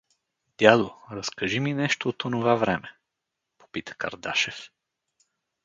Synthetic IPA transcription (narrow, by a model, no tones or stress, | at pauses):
d̪̥ʲjad̪oɾəskəʒiminɛʃt̪oːt̪onovavɾɛmɛ | po̥pit̪ə̥kɐ̰ɾd̪aʃɛf